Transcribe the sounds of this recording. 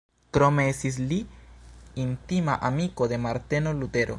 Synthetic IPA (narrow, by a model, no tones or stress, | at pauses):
kɾome̞estis̬li | int̪imaʔamiko̞d̪e̞maɾt̪e̞no̞lut̪e̞ɾʔo̞̰